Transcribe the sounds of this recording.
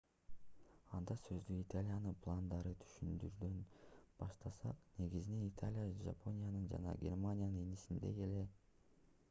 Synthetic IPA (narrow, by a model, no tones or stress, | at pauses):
ɑnd̪ɑsø̞zd̪yit̪alʲijanɯpʰlˠand̪ɑɾɯt̪ʰy̥ʃynd̪yɾd̪ønb̥ɑʃt̪ɑsɑ̰qne̞ɡizine̞nit̪ʰalʲijaʒa̰pʰo̞nʲijanɯnd͡ʒɑ̰nɑ̰ɡʲe̞̰rmanʲjanɯnenisind̪e̞̰je̞le̞